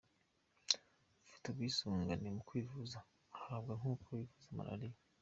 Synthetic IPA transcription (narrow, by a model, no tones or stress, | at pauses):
ufi̥tobɡiːsuːŋɡanemukwiːvuza | haːbɡaŋukʰowivuzama̰ʔa̰ɾija